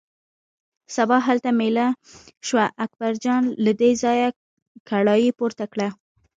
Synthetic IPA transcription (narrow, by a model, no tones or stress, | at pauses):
sabɑɦalt̪amela | ʃwaʔak̚baɾd͡ʒɑnlad̪ezɑja | kʰaɽɑjipoɾt̪akɽa